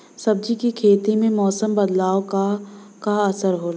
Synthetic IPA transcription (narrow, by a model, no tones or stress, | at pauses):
sɐb̚d͡ʒikikʰeːt̪imẽmɔːsəmbɐd̪laːokakaɐsəɾɦoːla